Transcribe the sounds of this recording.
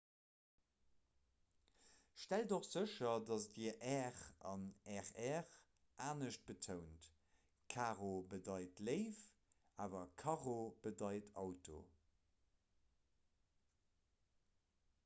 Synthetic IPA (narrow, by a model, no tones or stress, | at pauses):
ʃtældoχz̥əʃɐdɑsdiʔɛːʁɑ̰nɛʁɛːʁ | ʔaːnəʃt̚b̥ətʰəʊnt | kʰaːʁobədɑɪtləɪf | aːvɐkʰɑʁob̥ədɑɪtʰɑʊtʰo̰